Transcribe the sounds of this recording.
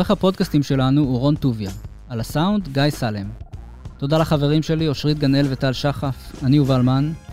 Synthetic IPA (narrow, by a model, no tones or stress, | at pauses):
oʁeχhapo̞dkastimʃe̞lanuuʁo̞ntuvja | alasaundɡajsalem | to̞dalaχaveʁimʃe̞lio̞ʃʁit̪̚ɡane̞lve̞talʃaχafaniuvalman